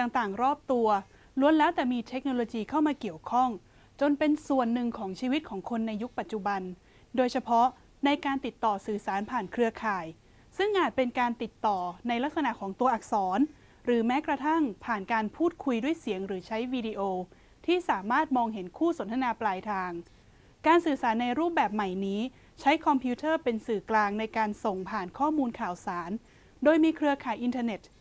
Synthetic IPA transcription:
t̪aː˨˩ŋt̪aː˨˩ŋɾɔː˥˩p̚t̪u˧ɐ | lu˧ənlɛː˦˥wt̪ɛː˨˩miː˧t̪ʰe˦˥k̚noː˧loː˧jiː˧kʰa˥˩wmaː˧ki˨˩əwkʰɔ˥˩ŋ | t͡ɕo˧npe˧nsu˨˩ənːɯ˨˩ŋkʰɔː˩˦ŋt͡ɕʰiː˧wi˦˥t̪̚kʰɔː˩˦ŋkʰo˧nːa˧jːu˦˥k̚pa˨˩t̪̚t͡ɕu˨˩ba˧n | doː˧jt͡ɕʰa˧pʰɔ˦˥ | na˧jkaː˧nt̪i˨˩t̪ːɔː˨˩sɯː˨˩saː˩˦npʰaː˨˩nkʰɾɯ˧ɐkʰaː˨˩j | sɯ˥˩ŋʔaː˨˩t̪̚pe˧nkaː˧nt̪i˨˩t̪ːɔː˨˩na˧jla˦˥k̚sa˧na˨˩ʔkʰɔː˩˦ŋt̪u˧ɐʔa˨˩k̚sɔː˩˦n | ɾɯː˩˦mɛː˦˥kɾa˧t̪ʰa˥˩ŋpʰaː˨˩nkaː˧npʰuː˥˩t̪̚kʰu˧jdu˥˩əjsi˩˦əŋɾɯː˩˦t͡ɕʰa˦˥jwiː˧di˧ʔoː˧ | t̪ʰiː˥˩saː˩˦maː˥˩t̪̚mɔː˧ŋɦe˩˦nkʰuː˥˩so˨˩˦nt̪ʰa˧naː˧plaː˧jt̪ʰaː˧ŋ | kaː˧nsɯː˨˩saː˩˦nːa˧jɾuː˥˩p̚bɛː˨˩p̚ma˨˩jniː˦˥ | t͡ɕʰa˦˥jkʰɔ˧mpʰi˦˥t̪ʰɤː˥˩pe˧nsɯː˨˩klaː˧ŋna˧jkaː˧nso˨˩ŋpʰaː˨˩nkʰɔː˥˩muː˧nkʰaː˨˩wsaː˩˦n | doː˧jmiː˧kʰɾɯ˧ɐkʰaː˨˩jʔi˧nt̪ʰaː˧ne˨˩t̪̚

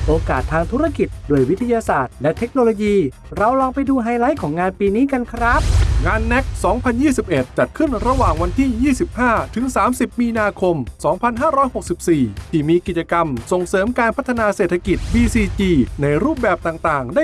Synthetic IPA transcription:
ʔoː˧kaː˨˩t̪ʰːaː˧ŋt̪ʰu˦˥ɾa˧ki˨˩t̪̚doː˧jwi˦˥t̪ʰːa˧jaː˧saː˨˩t̪̚lɛ˦˥t̪ʰe˦˥k̚noː˧loː˧jiː˧ | ɾa˧wlɔː˧ŋpa˧jduː˧ɦaː˧jla˦˥jkʰɔː˩˦ŋaː˧npiː˧niː˦˥ka˧nkʰɾa˦˥p̚ŋaː˧nːɛ˦˥k̚sɔː˩˦ŋpʰa˧njiː˥˩si˨˩p̚ʔe˨˩t̪̚t͡ɕa˨˩t̪̚kʰɯ˥˩nɾa˧waː˨˩ŋwa˧nt̪ʰiː˥˩jiː˥˩si˨˩p̚haː˥˩t̪ʰɯ˩˦ŋsaː˩˦msi˨˩p̚miː˧naː˧kʰo˧msɔː˩˦ŋpʰa˧nɦaː˥˩ɾɔː˦˥jho˨˩k̚si˨˩p̚siː˨˩t̪ʰiː˨˩miː˧ki˨˩t͡ɕa˧ka˧mso˨˩ŋsɤː˩˦mkaː˧npʰa˦˥t̪ʰːa˧naː˧seː˨˩t̪ʰa˧ki˨˩t̪̚biː˧siː˧t͡ɕiː˧na˧jɾuː˥˩p̚bɛː˨˩p̚t̪aː˨˩ŋt̪aː˨˩ŋdaː˥˩

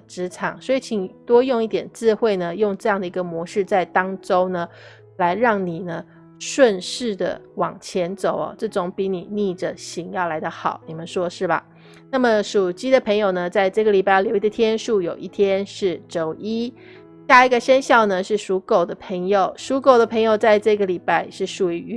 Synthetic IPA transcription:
ʈ͡ʂɻ̩˧˥ʈ͡ʂʰɑ˨˩˦ŋswɔ˧˥i˨˧˩t͡ɕʰi˨˩ŋt̪wɔ˥jʊ˥˧ŋi˥˩t̪jɛ˨˩nt͡sɹ̩˥˧xwe˥˩ɪnə˩jʊ˥˧ŋʈ͡ʂɤ˥˧jɑ˥˩ŋd̪ə˩i˧˥ɡə˧mwɔ˧˥ʂɻ̩˥˧t͡sa˥˩ɪt̪ɑ˥ŋʈ͡ʂo˥ʊnə˨ | la˧˥ɪɻɑ˥˩ŋni˨˩nə˦ | ʂwə˥˧nʂɻ̩˥˩d̪ə̰˩wɑ̰˨˩ŋt͡ɕʰjɛ˧˥nt͡so˨˩ʊɐ̰˦ʈ͡ʂɤ˥˩ʈ͡ʂʊ˨˦ŋpi˧˥˦ni˨˩ni˥˩ʈ͡ʂə˩ɕi˧˥ŋjɑ˥˩ʊla˧˥ɪd̪ə˧xɑ˨˩˦ʊni˨˩mə˦nʂwɔ˥ʂɻ̩˥˩ba̰˩ | na˥˩mə˨˩ʂu˨˩t͡ɕi˥d̪ə˨pʰɤ˧˥ŋjo˨˩ʊnə˩t͡sa˥˧ɪʈ͡ʂɤ˥˩ɡə˩li˨˩pa˥˩˥ljo˧ʊi˧d̪ə˧t̪ʰjɛ˥nʂu˥˩jo˨˩ʊʔi˥˩t̪ʰjɛ˥nʂɻ̩˥˩ʈ͡ʂo˧˩ʊʔi˥ | ɕja˥˧i˧˥ɡə˨ʂə˥nɕjɑ˥˩ʊnə˩ʂɻ̩˥˩ʂu˧˥ko˨˩ʊd̪ə˦pʰə˧˥ŋjo˨˩ʊʂu˧˥ko˨˩ʊd̪ə˩pʰɤ˧˥ŋjo˨˩ʊt͡sa˥˧ɪʈ͡ʂɤ˥˩ɡə˩li˨˩pa˥˧ɪʂɻ̩˥˩ʂu˨˩y˧˥y˧˥

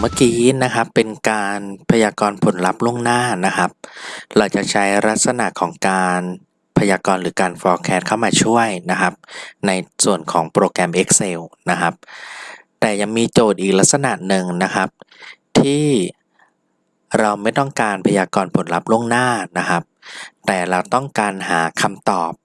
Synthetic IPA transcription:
ma˥˩kiː˧˦na˦˥kʰa˦˥pːe˧nkaː˧npʰa˧jaː˧kɔː˧npʰo˩˦nla˦˥p̚lu˥˩əŋnaː˥˩na˦˥kʰa˦˥p̚ɾa˧wt͡ɕa˨˩t͡ɕʰa˦˥jɾa˦˥t̪̚sa˧na˨˩ʔkʰɔː˩˦ŋkaː˧n | pʰa˧jaː˧kɔː˧nɾɯː˩˦kaː˧nfɔː˧kʰɛː˦˥t̪̚kʰa˥˩wmaː˧t͡ɕʰu˥˩əjna˦˥kʰa˦˥p̚na˧jsu˨˩ənkʰɔ̰ː˩˦ŋpɾoː˧kɛ˧mʔe˦˥k̚se˧wna˦˥kʰa˦˥p̚ | t̪ɛː˨˩ja˧ŋmiː˧t͡ɕoː˨˩t̪̚ʔiː˨˩k̚la˦˥k̚sa˧na˨˩ʔnɯ˨ŋna˦˥kʰa˦˥p̚t̪ʰiː˥˩ | ɾa˧wma˥˩jt̪ɔ˥˩ŋkaː˧npʰa˧jaː˧kɔː˧npʰo˩˦nla˦˥p̚lu˥˩əŋnaː˥˩na˦˥kʰa˦˥p̚t̪ɛː˨˩ɾa˧wt̪ɔ˥˩ŋkaː˧nɦaː˩˦kʰa˧mt̪ɔː˨˩p̚

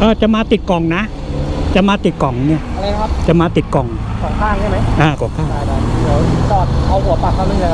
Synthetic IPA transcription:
ʔɤː˧˩t͡ɕa˨˩maː˧t̪i˨˩t̪̚kɔ˨˩ŋna˦˥ | t͡ɕa˨˩maː˧t̪i˨˩t̪̚kɔ˨˩˦ŋni˥˩ɐa˧ɾa˧jkʰa˦˥p̚t͡ɕa˨˩maː˧t̪i˨˩t̪̚kɔ˨˩ŋ | kʰɔː˨˩˦ŋkʰaː˥˩ŋt͡ɕʰma˦˥jʔaː˧˩kʰɔ˨˩ŋkʰaː˥˩˨a˧˩a˧˩˧sɔː˨˩t̪̚a˧whu˨˩˦pa˧˩kʰːa˥˩nɯ˧ŋa˧˩

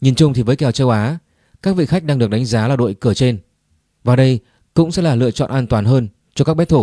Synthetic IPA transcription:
ɲi˨˩nt͡ɕʊ˧ŋ͡mt̪ʰi˨˩vəː˨˦jkɛ˨˩wt͡ɕəː˧wʔaː˨˦ | kaː˦˥k̚vḭ˧˨xa˦˥k̚ɗaː˧ŋɗɨ˨˩ək̚ɗa˨˦ŋ̟zaː˨˦laː˨˩ɗo̰˧˨jkɨ˧˩ət͡ɕe˧n | vaː˨˩ɗə˧j | kʊ̰˧˥ŋ͡msɛ̰˧˥laː˨˩lɨ̰˧ət͡ɕɔ̰˧˨nʔaː˧nt̪waː˨˩nɦəː˧n | t͡ɕɔ˧kaː˦˥k̚ɓɛ˦˥t̚t̪ʰo˧˩

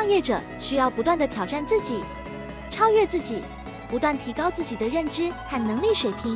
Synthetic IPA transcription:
ŋjɛ˥˩ʈ͡ʂɤ̰˨˩˦ | ɕy˥jɑ˥˩ʊpu˧˥t̪wa˥˩nd̪ə˩t̪ʰjɑ˨˩ʊʈ͡ʂa˥˧nt͡sɹ̩˥˩t͡ɕi˨˩˦ | ʈ͡ʂʰɑ˥ʊɥɛ˥˧t͡sɹ̩˥˩t͡ɕi˨˩˦ | pu˧˥t̪wa˥˩nt̪ʰi˧˥kɑ˥ʊt͡sɹ̩˥˩t͡ɕi˨˩d̪ə˦ɻə˥˩nʈ͡ʂɻ̩˥xa˥˩nnɤ˧˥ŋli˥˩ʂwe˨˩ɪpʰi˧˥ŋ

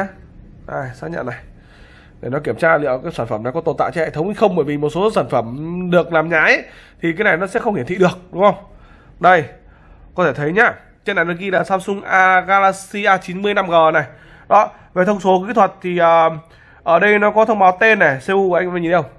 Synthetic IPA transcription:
ʔaː˨˩jsaː˦˥k̚ɲə̰˧˨na˨˩j | ɗe˧˩nɔ˨˦ki˧˩əmt͡ɕaː˧lḭ˧˨əwkaː˨˦jsaː˧˩nfə˧˩mna˨˩jkɔ˨˦t̪o˨˩nt̪a̰ː˧˨t͡ɕɔ˧hɛ̰˧˨t̪ʰə˨˦wŋ͡mi˧xə˧wŋ͡mɓəː˧˩jvi˨˩mo˨˩t̚so˨˦saː˧˩nfə˧˩mɗɨ˨˩ək̚laː˨˩mɲaː˨˥˦ʔə˦t̪ʰi˨˩kaː˨˦jna˨˩jnɔ˨˦sɛ̰˧˥xə˧ŋ͡mhi˧˩t̪ʰḭ˧˨ɗɨ˨˩ək̚ɗʊ˨˦ŋ͡mxə˧wŋ͡m | ɗə˧˩j | kɔ˨˦t̪ʰe˧˩t̪ʰə˨˦jɲaː˧˦ | t͡ɕe˧˥na˨˩jnɔ˨˦ɣi˧laː˨˩saː˧msʊ˧ŋ͡mʔaː˧ɣaː˧laː˧si˧ʔaː˧t͡ɕi˨˦nmɨ˧əjna˧mɣəː˨˩na˨˩j | ɗɔ˨˦ | ve˨˩t̪ʰə˧wŋ͡mso˨˦ki˨˦˥t̪ʰwə˨˩t̚t̪ʰi˨˩ʔəː˨˩ | ʔəː˧˩ɗə˧jnɔ˨˦kɔ˨˦t̪ʰə˧wŋ͡mɓaː˨˦wt̪e˧nːa˨˩se˧u˧˨˧jŋ˧a˧˩ɲi˧˩˦ə˧w

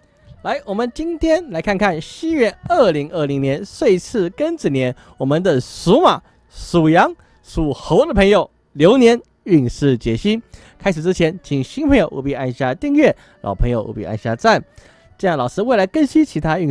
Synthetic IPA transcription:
la˧˥ɪwɔ˨˩mə˦nt͡ɕi˥ŋt̪ʰjɛ˥nla˧˥ɪkʰa˥˧nkʰa˥˩nɕi˥ɥɛ˥˧ə˞˥˩li˧˥ŋə˥˩li˧˥ŋnjɛ˧˥nʂwe˥˧ɪt͡sʰɹ̩˥˩kə˥nt͡s̩˨˩njɛ˧˥n | wɔ˨˩mə˧nd̪ə˧ʂu˧˥ma˨˩˦ | ʂu˨˩jɑ˧˥ŋ | ʂu˨˩xo˧˥ʊd̪ə˨pʰɤ˧˥ŋjo˨˩ʊ | ljo˧˥ʊnjɛ˧˥n | y˥˧ŋʂɻ̩˥˩t͡ɕjɛ˨˩ɕi˥n | kʰa˥ɪʂɻ̩˨˩ʈ͡ʂɻ̩˥t͡ɕʰjɛ˧˥nt͡ɕʰi˨˩ŋɕi˥npʰɤ˧˥ŋjo˨˧ʊʔṵ˧˥˩pi˧a˥˧nɕja˥˧t̪i˥˧ŋɥɛ˥˩ | lɑ̰˨˩ʊpʰɤ˧˥ŋjo˨˧ʊʔṵ˧˥˩pḭ˥˧a˥˧nɕja̰˥˧t͡sa˥˩n | ʈ͡ʂɤ˥˧jɑ˥˩lɑ˨˩ʊʂɻ̩˥we˥˩ɪla˧˥ɪkə˥nɕi˥nt͡ɕʰi˧˥t̪ʰa˥y˥˧

